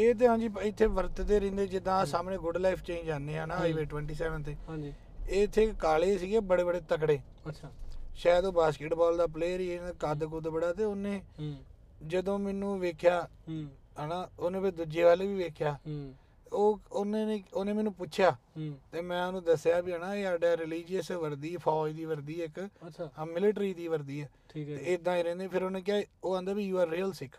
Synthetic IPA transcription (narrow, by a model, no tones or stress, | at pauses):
eːt̪̬eːɦãːd͡ʒiːɪt̪ʰːeːʋəɾt̪d̪eːɾɪ̃nd̪eːd͡ʒɪd̪ãːsaːmneːɡʊɖlaːipʰt͡ʃẽːɲd͡ʒd͡ʒaːnd̪eːɦãːnãːiʋeːʈʋɛːɳʈiːsɛːʋənt̪eː | eːt̪ʰːeːkaːleːsiːɡeːbəɽeːbəɽeːt̪ək̬ɽeː | ʃaːd̪oːbaːskɪʈbɔːld̪aːp̬leːɾiːekaːd̪kʊd̪bəɽaːt̪eːoːnẽː | d͡ʒəd̪õːmɛːnũːʋeːkʰjaː | ɦənaːoːnẽːped̪ud͡ʒeːʋaːleːʋiːʋeːkʰjaː | oːonẽːneːoːneːmɛːnũːpʊtːʃʰjaːt̪eːmɛ̃ːʊnũːd̪əsːjaːbiːɦənãːeaːɖaːɾɪliːd͡ʒiəsʋəɾd̪iːpʰɔːd̪iːʋəɾd̪iːɪkː | mɪlɪʈɾiːd̪iːʋəɾd̪iːɛːt̪eɪd̪ãːĩːɾɛ̃ːnd̪eːpʰɪɾoːnẽːk̬jaːoːãːnd̪aːbiːjuːaːɾːiːəlsɪkʰ